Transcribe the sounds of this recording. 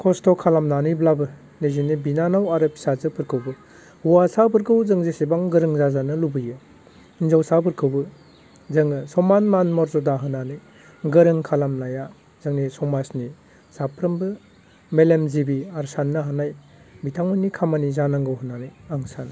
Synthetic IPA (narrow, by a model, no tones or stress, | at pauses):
kʰɔstɔkʰalamnanɯjblabɯ | nezinibinanawaɾɯpʰi̥sazɯpʰɯɾkʰɯwbɯ | huwasabɯɾkʰɯwzɯŋzesebaŋɡɯɾɯŋzazanɯlubɯjɯ | inzawsapʰɯɾkʰɯwbɯ | zɯŋɯsɔmanmanmɔɾzɔdaɦɯnanɯj | ɡɯɾɯŋkʰalamnaja | zɯŋnisɔmasni | z̥apʰɾɯmbɯ | melemzibiaɾsanːɯɦanaj | bitʰaŋmɯnikʰamanizanaŋɡɯwɦɯnːanɯjaŋsan